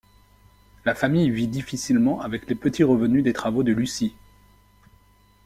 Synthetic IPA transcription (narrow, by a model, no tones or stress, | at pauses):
lafamijvid̪ifisilmɑ̃ʔavɛklepət̪ʰiʁəvənyd̪et̪χavod̪əlysi